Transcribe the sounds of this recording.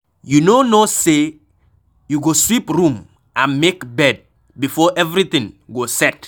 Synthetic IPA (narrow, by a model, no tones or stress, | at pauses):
junonose | juɡoswipɹũm | ãnmekbɛd̚ | bifɔʔɛvɹit̪ĩŋɡosɛt